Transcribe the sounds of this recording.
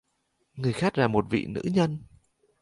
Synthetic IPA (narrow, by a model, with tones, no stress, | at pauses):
ŋɨ˨˩əjxaː˦˥k̚laː˨˩mo˨˩t̚vḭ˧˨nɨ̰˧˥ɲə˧n